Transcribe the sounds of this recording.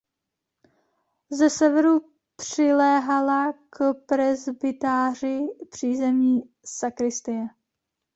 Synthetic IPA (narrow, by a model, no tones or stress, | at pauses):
zɛsɛvɛɾu | pr̥ɪlɛːɦalakpɾɛzbɪt̪aːr̝ɪpr̝̥iːzɛmɲiː | sakɾɪst̪ɪɛ